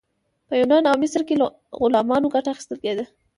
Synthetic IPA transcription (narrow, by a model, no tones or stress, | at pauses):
pəjunɑnawmɪsɾkel | ɣʊlɑmɑnoɡaʈaːxi̥st̪əlked̪ə